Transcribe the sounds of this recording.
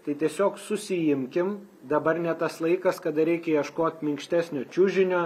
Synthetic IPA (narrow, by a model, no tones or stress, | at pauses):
t̪ɐɪt̪ʲiɛsʲoːksʊsʲɪjɪmʲkʲɪm | d̪ɐbɐrnʲɛt̪ɐslˠɐɪkɐskɐd̪ɐɾʲɛɪkʲɛjɛʃkoːt̪ʲmʲɪŋkʃʲt̪ʲæːsʲnʲoːt͡ʃʲʊʒʲɪnʲoː